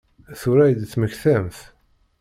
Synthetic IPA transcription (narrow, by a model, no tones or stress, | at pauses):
θuɾæjd̪t͡sːməçθæmθ